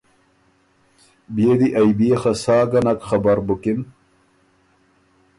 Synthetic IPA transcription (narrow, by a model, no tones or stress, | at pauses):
bijed̪iʔɐjbijexɐsaːɡɐnɐkxɐbɐɾbukin